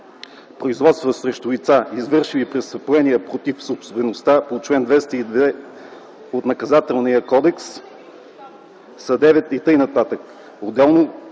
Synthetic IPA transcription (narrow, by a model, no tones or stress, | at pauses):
pɾoizvɔt̪st̪vəsɾɛʃt̪ʊlit̪saizvɤɾʃivipɾɛsvɐplɛnijɛpɾot̪ifsopsbɛnost̪apot͡ʃvɛnd̪vɛst̪əid̪vɛ | ot̪nɐkɐzat̪ɛlˠnijəkɔd̪ɛks | sɐd̪ɛvɛt̪it̪ɤjnɐt̪at̪ək | od̪ɛlˠno